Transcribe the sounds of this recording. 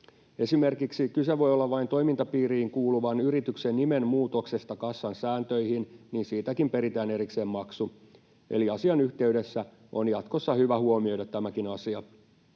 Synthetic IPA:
e̞sime̞rkiksikyseʋo̞jolːɑʋʋɑint̪o̞imint̪ɑpiːriːŋkuːluʋɑnyrit̪yksenːime̞nmuːt̪o̞kse̞st̪ɑkɑsːɑnsæːnt̪øjhinniːnsiːt̪ækimpe̞ɾit̪æːne̞ɾikse̞ːmmɑksu | ʔe̞̰liɑsiɑnyht̪e̞yde̞sːæ | ʔonjɑt̪kosːɑhyʋæhuomioɾɑt̪ːæmækinɑsiɑ

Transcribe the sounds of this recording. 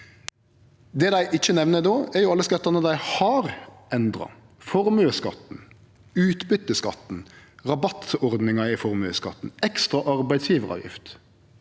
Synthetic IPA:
d̪eːd̪æɪʔɪçənɛʋnənoːæɾjʊɑlːəskɑt̪ːɑʁnəd̪æɪhɑːʁɛnd̪ʁɑ̰ | fɔʁmʉəskɑt̪n̩ | ʉːt̪bʏt̪ːəskɑ̰t̪n̩ʁɑbɑt̪ɔʁd̪nɪŋɑɪfɔʁmʉskɑ̰t̪n̩ɛkst̪ʁɑʔɑʁbæɪd̪sjiːʋəʁɑ̰ːʋjɪ̰ft̪

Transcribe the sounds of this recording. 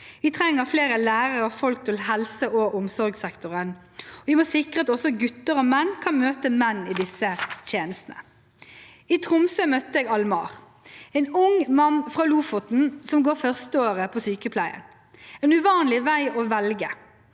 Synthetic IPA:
ʋɪt̪ʰʁɛŋːəʁfleːɾəlæːʁəʁəɔfɔlk̚t̪ʰɪlɦɛlsəʔɔʔɔmsɔɾɡsɛkt̪ʊʁənɔʋɪmoːsɪkʁəɑt̪ɔsɔɡʉt̪əʁɔmɛnːkʰɑnmøːt̪əmɛnːɪd̪ɪsət̪ʰeːnəst̪nə̰ | ɪt̪ʰʁʊmsømœt̪əeːɡɑlmɑ̰ːʁ | ɛɪnʊŋmɑnːfʁɑluːfɔt̪n̩sɔmɡoːfœʁst̪əoːʁəpʰɔsyːkəpʰlæɪə̰n | ɛːnʉʋɑːnlɪʋæɪɔʋɛlɡə

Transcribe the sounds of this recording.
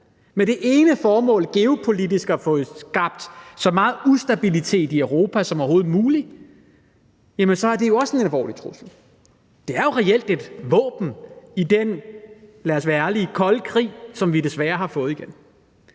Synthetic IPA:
meɾ̥e̝ʔe̝ːnəfɒːmɔ̰̽ːlɡ̥e̝o̝pʰo̝lidisɡ̥æfɔ̽ːð̩sɡ̥ɑ̈b̥̚d̥sɒ̽mɑ̈ːð̩ˠusd̥æb̥ilit͡sʰe̝̰ːd̥iøʊʁo̝ːpʰæsɒ̽mɒɦo̝ːð̩ˠmuːli | jæmənsɒ̽æɐd̥e̝jo̝ɒ̽se̝nælʋɒ̰ːlit͡sʰʁusl̩ | d̥e̝æɐjo̝ʁɛel̰d̥e̝d̥ʋɔ̰̽ːb̥n̩id̥en | læɐsʋæɐlikʰɒ̽lkʰʁḭːsɒ̽mʋide̝sʋæːɐhɑ̈fɔ̽ːð̩ˠiɡ̥en

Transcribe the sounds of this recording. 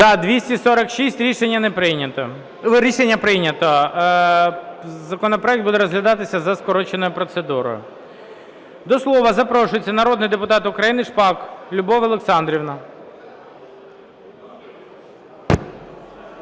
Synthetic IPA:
zɐd̪ʋʲisʲtʲisɔɾɐkʃisʲtʲɾʲiʃenʲːɐnɛpɾɪnʲɐt̪ | ɾʲiʃenʲːɐpɾɪjnʲɐt̪ɔ | zɐkɔnɔpɾɔɛk̚t̪bud̪ɛɾɔzɦlʲɐd̪ɑt̪ɪsʲɐzɐskɔɾɔt͡ʃenɔjʊpɾɔt̪sed̪uɾɔ̰jʊ̰ | d̪ɔslˠɔʋɐzɐpɾɔʃʊjet͡sʲːɐnɐɾɔd̪nɪjd̪epʊt̪ɑt̪ʊkɾɐjinɪʂpɑklʲʊbɔʋɐlˠeksɑnd̪ɾʲiwnɐ

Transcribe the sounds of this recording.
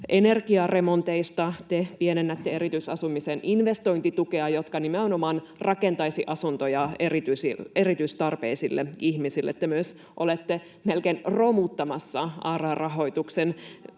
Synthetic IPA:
ʔenerkiɑremont̪eist̪ɑt̪epienenːæt̪ːeeɾit̪ysɑsumisenʔinʋest̪oint̪it̪ukeɑjot̪kɑnimenomɑːn | rɑkent̪ɑjsiʔɑsunt̪ojɑerit̪ysierit̪yist̪ɑrpḛisilːʔeihmisilːḛt̪ːemyøs | ʔolet̪ːe | melkeinromut̪ːɑmɑsːɑɑːrɑrɑɦo̞it̪uksen

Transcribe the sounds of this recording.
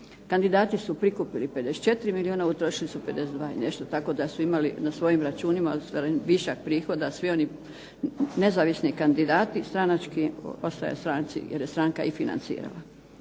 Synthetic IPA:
kand̪id̪aːt̪isupɾikupilipe̞d̪eset̪t͡ʃe̞t̪ɾimiliuːnaut̪ɾoʃilisupe̞d̪e̞sed̪ʋaːḭne̞ʃt̪ot̪ako̞d̪asuimalinasʋo̞jimɾat͡ʃuːnimaost̪aɾenʋiʃak̚pɾiːxo̞d̪asʋio̞ni | ne̞zaːʋisnikand̪id̪aːt̪ist̪ɾanat͡ʃkio̞st̪aja̰st̪ɾaːnt̪sḭjeɾje̞st̪ɾaŋkaifina̰nsḭːɾa̰la̰

